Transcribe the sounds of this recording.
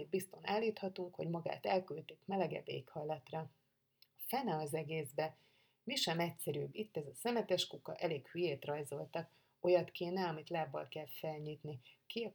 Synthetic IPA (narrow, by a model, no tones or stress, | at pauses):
ibist̪o̞naːlːiːt̪hɒt̪uŋkho̞ɟmɒɡa̰ːt̪ɛlkylt̪eːkmɛlɛɡɛ̰dḛːkhɒjlɒt̪rɒ | ɒfɛnɛɒzɛɡeːzbɛ | miʃɛmɛcsɛɾyːbit̪ːɛzɒsɛmɛt̪ɛʃkukɒʔɛleːkhyjeːt̪rɒjzo̞lt̪ɒk | o̞jɒt̪keːnɛɒmit̪laːbːɒ̰lkɛlfɛlɲiːt̪nike